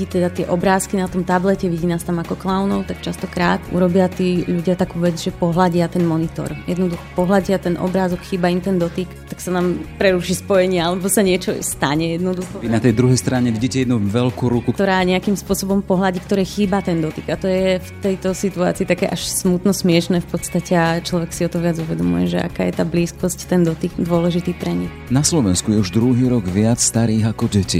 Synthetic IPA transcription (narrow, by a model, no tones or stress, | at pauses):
it̪ɛd̪at̪ɪɛʔɔbɾaːskinat̪ɔmt̪ablɛcɛʋiɟiːnaːst̪amakɔklawnɔʊt̪akt͡ʃast̪ɔkɾaːt̪ṵɾɔbɪat̪iːʎuɟɪat̪akuːʋɛd͡zʒɛpɔɦlaɟɪat̪ɛnmɔnit̪ɔ̰ɾjɛd̪nɔd̪uxɔ̥pɔɦlaɟɪat̪ɛnʔɔ̰bɾaːzɔkxiːbaimt̪ɛnd̪ɔt̪ikt̪aksanaːmpɾɛɾuʃispɔjɛɲɪɛalɛbɔsaɲɪɛt͡ʃɔst̪aɲɛjɛd̪nɔd̪uxɔinat̪ɛjd̪ɾuɦɛjst̪ɾaɲɛʋiɟiːcɛjɛd̪nuʋɛʎkuɾukut̪ɔɾaːɲɛakimspʊɔsɔbɔmpɔɦlaɟikt̪ɔɾɛːxiːbat̪ɛnd̪ɔt̪iɡat̪ɔjɛft̪ɛjt̪ɔsit̪ua̰ːt͡siːt̪akɛ̰ːʔaʃsmut̪nɔsmɪɛʃnɛːfpɔt̪st̪acɛat͡ʃlɔʋɛksiɔt̪ɔʋɪad͡zuʋɛd̪ɔmṵjɛ̰ʒɛa̰ka̰ːjɛt̪aːbliːskɔsct̪ɛnd̪ɔt̪ikd̪ʊɔlɛʒit̪iːpɾɛɲi | naslɔʋɛnskujɛuʒd̪ɾuɦiːɾɔɡʋɪat͡sst̪aɾiːɣakɔɟɛcḭ